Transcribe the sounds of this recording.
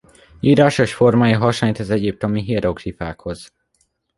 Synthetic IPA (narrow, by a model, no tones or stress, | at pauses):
iːɾaːʃo̞ʃfo̞rmaːjɒɦɒʃaɲt̪ɛzɛɟip̚t̪o̞miɦiɾoɡrifaːkho̞z̥